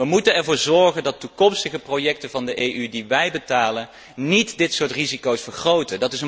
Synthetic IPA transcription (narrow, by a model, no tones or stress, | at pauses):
ʋəmutənɛɹvʊːɹzɔɹχəndɑtːukɔmstəχəprojɛk̚təvɑndəʔejʔydiʋɛjbətaːlən | nitdɪtsʊːɹtrizikowsfəɹχrowtədɑtɪsə